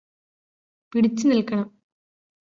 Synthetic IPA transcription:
piɽit͡ɕːɨnilkɐɳɐm

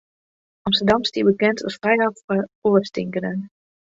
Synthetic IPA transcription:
ɑmstədɑmstibəkɛntʰɑ̰sfrɛjɑfəoːɹstɪŋkənən

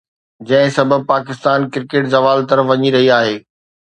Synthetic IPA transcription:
d͡ʑɐ̃ɦɪ̃sɐbəb̚paːkɪst̪aːnkɪɾkeːʈzɐʋaːlt̪ɐɾəfʋɐɲiɾɐɦiaːɦeː

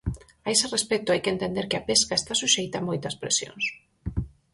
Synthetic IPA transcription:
aeserespet̪ʊajkent̪end̪eɾkeapeskaest̪asuʃejt̪amojt̪ɐspɾḛsjo̰ns

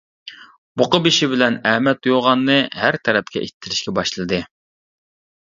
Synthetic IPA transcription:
b̥oqəbiʃɪbɪlɛnɛhmɛt̪joʁɑnːɨhæɾt̪ʰɛɾɛp̚kʲɛ̰ʔit̪ʰːɪɾɪʃkʲɛbɑʃlˠɨd̪ɨ

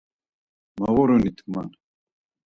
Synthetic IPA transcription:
mɐʁoɾonit̪ʰma̰n

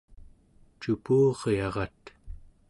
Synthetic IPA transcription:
t͡ʃupuːʁjɑʁɑt̪

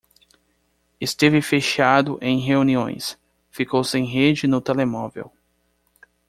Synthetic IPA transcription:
ɪst̪evɪfeʃad̪ʊʔẽj̃ɦeuniõ̰j̃s | fikowsẽj̃ɦed͡ʒɪnʊt̪elemɔvḛw

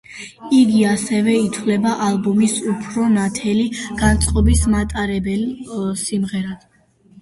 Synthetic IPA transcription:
iɡiasɛvɛit̪ʰvlɛbaʔalˠbɔmisupʰɾɔnat̪ʰɛliɡ̥ant̪sʼqʼɔbismat̪ʼaɾɛbɛlsimʁɛɾad̪

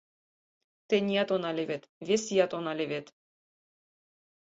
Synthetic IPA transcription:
t̪enʲijɑt̪onɑlʲeβet̪βesijɑt̪onɑlʲeβet̪

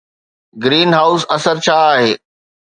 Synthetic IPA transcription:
ɡɾiːnɦaːʊsɐsəɾt͡ɕʰaːaːɦeː

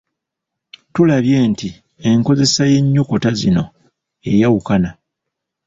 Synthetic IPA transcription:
tulaβje̞ːnti | e̞ŋko̞ze̞saje̞ɲːoko̞tazino̞̰ | e̞jawukana

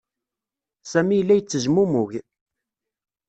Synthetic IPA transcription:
sæmijəlːæjət͡sːəʒmumʊʝ

